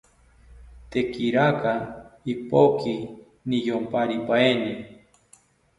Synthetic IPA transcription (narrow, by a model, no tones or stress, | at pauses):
t̪ekiɾakaipoki | nijompaɾipaeni